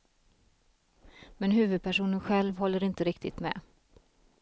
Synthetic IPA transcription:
mɛnɦʉ̟ːvɵd̪̚pʰæʂuːnənɧɛlvhɔlːəɾɪnt̪əɾɪkt̪ʰɪ̰t̪mɛ̰

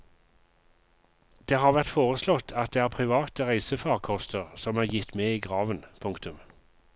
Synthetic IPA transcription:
d̪̥eːhɑːʁʋæʁt̪foːʁəslɔt̪ʰɑt̪̚d̪eːæːʁpʰʁɪʋɑːt̪əʁæɪsəfɑːʁkʰɔst̪əʁsɔmæːʁjɪt̪meːiːɡʁɑːʋənpʰʊŋkt̪ʉm

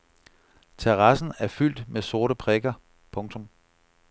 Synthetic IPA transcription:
t͡sʰeʁɑ̈sn̩æɐfyl̰d̥meso̝ɐɾəpʰʁeɡ̥ɐ | pʰɔ̽ŋt͡sʰɔ̽m

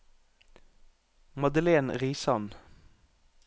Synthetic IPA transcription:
mɑd̪əleːnʁiːsɑn

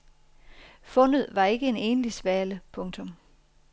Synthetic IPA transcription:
fɔ̽n̰ð̞̩ˠʋɑ̈e̝ɡ̥əe̝ne̝ːnəlisʋæːləpʰɔ̽ŋt͡sʰɔ̽m

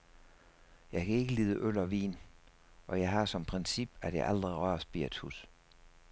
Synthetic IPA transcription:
jɑ̈ɪkʰæe̝ɡ̥əliːðˠəʔøl̰ɒ̽ʋḭːn | ʔɒ̽jɑ̈ɪɦɑ̈sɒ̽mpʰʁɛnsib̥æd̥jɑ̈ɪɑld̥ʁiʁɶɐsb̥ḭɐ̰d̥hus

